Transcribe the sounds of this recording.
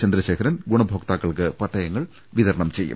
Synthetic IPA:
t͡ɕɐnd̪ɾɐɕe̞ːkʰɐɾɐnɡuɳɐbʱoːkt̪aːkːɐɭkɨpɐʈːɐjɐŋːɐɭ | ʋiðɐɾɐɳɐmt͡ɕe̞jːṵm

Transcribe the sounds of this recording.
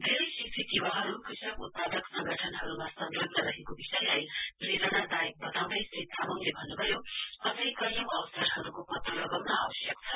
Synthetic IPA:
d̪ʱeɾʌjsitʰit̪iwaɦʌɾukisʌkut̪̚pad̪ʌksʌ̃ŋɡʱʌʈʰʌnɦʌɾumasʌnɾʌd̪nʌɾʌɦekobisʌjlajrelanad̪ajek̚bʌt̪aw̃d̪ʌjsit̪ʰːamʌŋlebʱʌnːubʱʌjoʌsʌjkʌjʌ̃w̃ʌwsaɾɦʌɾukopʌt̪ːolʌɡʌwnʌawʌsjʌkt͡sʰʌ

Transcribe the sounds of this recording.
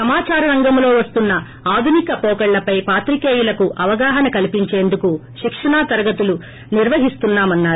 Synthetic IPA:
sɐmaːt͡ʃaːɾɐɾɐŋɡɐmlo̞ːʋɐst̪unːɐ | aːd̪ʱunikɐpɔːkɐɭlɐpɐjpaːt̪ɾikeːjulɐkuʔɐʋɐɡaːɦɐnɐkɐlipiɲt͡ʃe̞ːnd̪ukuʃikʂɐɳaːt̪ɐɾɐɡɐt̪ulu | niɾʋɐɦist̪unːaːmɐnːaːɾ

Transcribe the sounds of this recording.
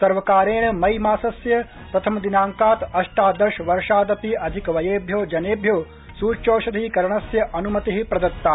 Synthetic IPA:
sɐɾʋɐkaːɾeːɳɐmɐjmaːsɐsjɐ | pɾɐt̪ʰɐmɐd̪inaːŋkaːt̪ɐʂʈaːd̪ɐɾʃʋɐɾʂaːd̪ɐpiʔɐd̪ʱikɐʋɐjeːbʱjoːd͡ʒɐneːbʱjoː | suːt͡ʃoːʃɐd̪ʱiːkɐɾɐɳɐsjɐʔɐnumɐt̪iɦipɾɐd̪ɐt̪ːaː

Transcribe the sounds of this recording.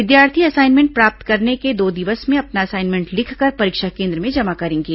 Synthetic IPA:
ʋɪd̪jaːɾt̪ʰiɐsaːɪnmɛ̃ːɳʈ̚pɾaːp̚t̪kɐɾneked̪oːd̪ɪʋəsmẽɐpnaɐsaːɪnmẽɳʈlɪkʰkəɾpɐɾiːkʃakẽːnd̪ɾəmẽd͡ʒɐmakɐɾẽːŋɡiː

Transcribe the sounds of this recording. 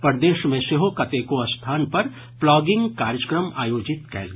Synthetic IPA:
pɐɾd̪eːʃmẽseɦokɐt̪ekoɐst̪ʰaːnpɐɾ | plɔːɡɪ̃ŋɡkaːɾjəkɾəmaːjoːd͡ʒɪt̪kɛ̰ːlɡ

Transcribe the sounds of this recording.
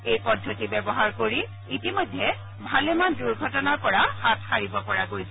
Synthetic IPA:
ejpɔdʱːotibɛbɔɦaɹkoɹi | itimojdʱːɛ | bʱalemanduɹɡʱɔtɔnapɔɹahat̚xaɹibɔpɔɹaɡojsɛ

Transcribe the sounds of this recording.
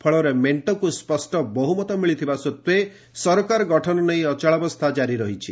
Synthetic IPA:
pʰɔɭɔɾemeɳʈɔkuspɔsʈɔbɔɦumɔt̪ɔmiɭit̪ʰibasut̪we | sɔɾɔkaɾɔɡɔʈʰɔnɔneĩɔt͡ʃaɭɔbɔst̪ʰad͡ʒaɾiɾɔɦit͡ʃʰi

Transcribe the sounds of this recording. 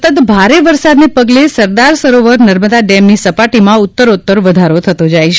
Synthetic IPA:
t̪ət̪bʱaɾeʋəɾsad̪nepəɡlesəɾd̪aɾsəɾoʋəɾnəɾməd̪aɖɛmnisəpaʈimãʊt̪ːəɾot̪ːəɾʋəd̪ʱaɾot̪ʰət̪od͡ʒajʃe

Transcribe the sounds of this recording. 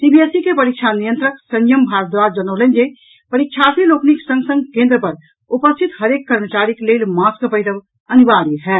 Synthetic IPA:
sibiesikepəɾik̚t͡ʃʰanijə̃nt̪ɾəksə̃njəmbʱaɾət̪̚d̪ʋaːɾd͡ʒənəʊlənd͡ʒe | pəɾik̚t͡ʃʰasilokniksə̃ŋɡsə̃ŋɡkẽnd̪ɾəpɐɾ | upəst̪ʰit̪ɦəɾeːkːəɾmət͡ʃaɾiklelmaːskpəɪd̪əʋ | əniʋaɾiɦɛ

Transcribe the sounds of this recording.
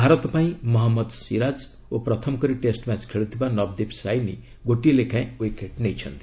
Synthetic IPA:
bʱaɾʌt̪ːpaĩmʌɦamːʌd̪siɾad͡z | oprʌt̪ʰʌmkʌɾiʈesʈmat͡skʰeɭut̪ʰibanʌbd̪ibsajnḭ | ɡoʈilekãj̃ekeʈnejt͡sʰʌ̰nt̪i

